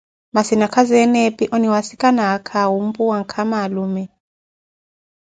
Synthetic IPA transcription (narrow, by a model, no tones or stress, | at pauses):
masinakʰazɛnɛpʼiʔɔniwasikʼanakʰaɦum̩pʼuwaŋkʰamalumɛ